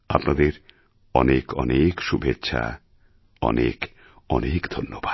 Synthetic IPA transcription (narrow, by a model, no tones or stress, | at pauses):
apnad̪eɾ | ɔnekɔnekʃubʱetːɕʰa | ɔ̰nek | ɔnekd̪ʱonːobʱa